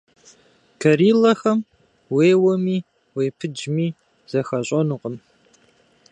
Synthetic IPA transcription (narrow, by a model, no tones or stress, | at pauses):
kʰɐɾiːlɐxɐm | weːwɐmiː | weːpʰɨd͡ʒmiː | z̥ɐxɐɕʼɐnuqʼəm